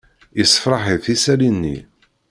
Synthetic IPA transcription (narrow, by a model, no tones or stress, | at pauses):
jəsə̥fɾˤɑħiθisælinːḭ